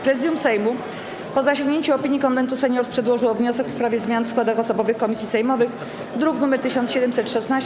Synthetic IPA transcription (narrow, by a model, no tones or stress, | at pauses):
pɾɛzɘd̪jumsɛjmu | pɔzaɕɔ̃ŋɡɲeɲt͡ɕuɔpʲiɲjikɔnvɛnt̪usɛɲɔɾfpʂɛd̪wɔʐɘwɔvɲɔsɛkfspɾavʲjɛzmʲjanfskwad̪axɔsɔbɔvɘxkɔmʲisʲjisɛjmɔvɘx | d̪ɾuknumɛɾt̪ɘɕɔ̃nt̪sɕɛd̪ɛmsɛt̪ʂɛsnaɕ